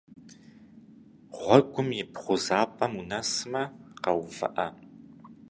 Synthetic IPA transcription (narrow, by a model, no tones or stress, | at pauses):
ʁʷɔɡʷʊmjɪpχʷʊzaːpʰʼɐmunɐsmɐqɐwvɐ̰ʔɐ